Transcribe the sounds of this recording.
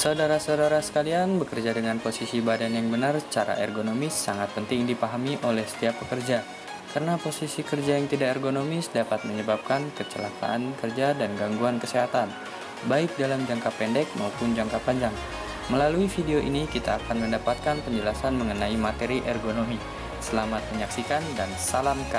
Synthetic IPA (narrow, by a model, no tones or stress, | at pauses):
saudaɾasaudaɾasə̥kalianbəkərd͡ʒadəŋanposisibadanjaŋbənart͡ʃaɾa̰ʔɛ̰rɡonomɪsːaŋat̪̚pənt̪ɪŋdipaɦamiʔolɛhsə̥t̪iap̚ːəkərd͡ʒa | kaɾənaposisikərd͡ʒajaŋt̪idakɛrɡonomɪsdapat̪̚məɲəbap̚kankət͡ʃəla̰ka̰ʔankərd͡ʒadanɡaŋɡuankəseɦat̪an | baɪk̚dalamd͡ʒaŋkapɛndɛk̚maupʊnd͡ʒaŋkapaɲd͡ʒaŋ | məlaluifideoʔḭnikit̪aːkanməndapat̪̚kanpəɲd͡ʒəlasanməŋənaimat̪eɾiʔɛrɡonomi | səlamat̪̚məɲaksikandansalamka